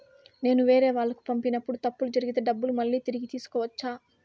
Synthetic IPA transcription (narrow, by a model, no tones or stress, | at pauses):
ne̞ːnuʋeːɾe̞ːʋaːɭːɐku̥pɐmpinɐpːuɽut̪ɐpːulud͡ʒɐɾiɡit̪e̞ːɖɐbːulumɐɭːiːt̪iɾiɡit̪iːsu̥kɔːʋɐt͡ʃːaː